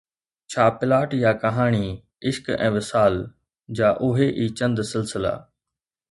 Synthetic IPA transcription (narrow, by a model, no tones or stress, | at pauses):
t͡ɕʰaːpɪlaːʈjaːkɐɦaːɽ̃i | ɪʃkɛ̰̃ːʋɪsaːl | d͡ʑaːʔʊɦeʔiːt͡ɕɐ̃nd̪sɪlsɪla̰ː